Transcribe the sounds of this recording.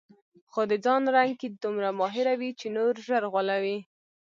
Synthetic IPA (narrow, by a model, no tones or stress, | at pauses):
xod̪əd͡zɑnɾaŋɡ̚ked̪umɾamɑɦɪɾawit͡ʃenoɾʒəɾɣwalawi